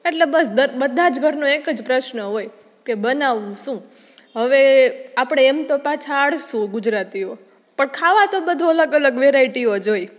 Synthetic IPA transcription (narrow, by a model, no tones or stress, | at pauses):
eʈlebəsd̪əɾbəd̪ʱad͡ʒɡʱəɾnõekəd͡ʒpɾəʃnəɦoj | kebənaʋũʃũ | ɦəʋeapɽ̃eːmt̪opat͡ʃʰaːɽʃũɡud͡ʒɾat̪io | pəɳkʰaʋat̪obəd̪ʱõələɡələɡʋeɾaiʈiod͡ʒoi